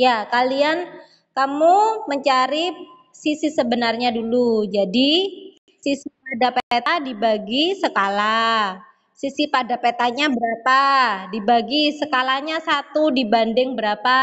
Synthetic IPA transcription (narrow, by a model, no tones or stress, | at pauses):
jakalian | kamuməɲt͡ʃaɾi | sisisəbənarɲadulud͡ʒadi | sisipadapeet̪adibaɡisəkala | sisipadapet̪aɲabəɾapadibaɡisəkalaɲasat̪udibandɪŋbəɾapa